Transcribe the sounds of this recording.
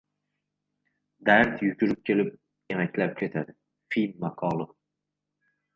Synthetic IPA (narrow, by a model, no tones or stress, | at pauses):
d̪aɾt̪ʰjʊkʲʰʊɾɪp̚kʲʰe̞lɪp̚ | emakʲlap̚kʲʰe̞t̪ʰad̪ɪ | finːaqʰɒlˠɪ